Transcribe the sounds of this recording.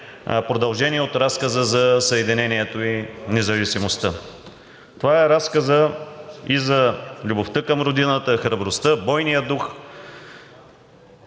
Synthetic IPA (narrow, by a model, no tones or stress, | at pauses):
pɾod̪ɐlˠʒɛnʲiɛot̪ɾaskəzəzɐsəɛd̪inɛniɛt̪oinɛzɐvisimost̪ə | t̪ovaɛɾaskəzə | izɐlʲuboft̪əkɐmɾod̪inət̪əxɾɐbɾost̪əbɔjnijəd̪ux